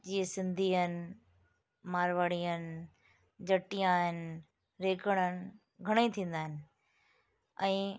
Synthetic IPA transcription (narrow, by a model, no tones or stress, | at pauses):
d͡ʑiːesɪ̃nd̪ʱiənɪ̆ | maːɾʋaɽiənɪ̆ | d͡ʑʱɐʈijãɦɪnɪ̆ | ɾeːkəɽ̃ənɪ̆ | ɡʱɐɽ̃it̪ʰĩːn̆d̪aːɦɪnɪ̆ | ɛ̃ː